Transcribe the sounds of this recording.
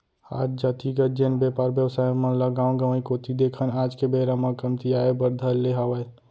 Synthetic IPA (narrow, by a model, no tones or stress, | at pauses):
a̰ːd͡ʒd͡ʒat̪iɡəd͡ʒenbjepaːɾbjəwsaːjõmələɡaːw̃ɡəməĩkot̪ʰid̪ekʰənaːd͡ʒkebeɾamə̃kəmt̪ijaebəɾd̪ʱəleɦawəj